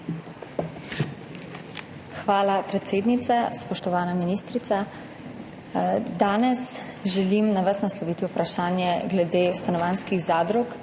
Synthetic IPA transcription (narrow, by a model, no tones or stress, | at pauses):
xʋaːlapɾɛt̪seːd̪nit̪saspɔʃt̪ɔʋaːnaminiːst̪ɾit̪sa | d̪aːnɛsʒɛlimnaʋəsnaslɔʋiːt̪iupɾaʃaːnjɛɡlɛd̪eːst̪anɔʋaːnskiɣzaːd̪ɾɔk